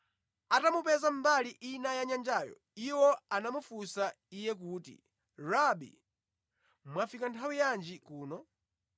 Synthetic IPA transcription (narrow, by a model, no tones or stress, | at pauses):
atamupɛzam̩baliʔinajaɲand͡ʒajɔ̰ | iwɔanamufusa | ijɛk̬uːtḭ | rabḭ | mwafikantʰawijand͡ʒikuːnɔ